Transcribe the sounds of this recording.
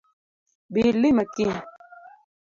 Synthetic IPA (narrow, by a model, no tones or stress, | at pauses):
biːlːimɐkĩ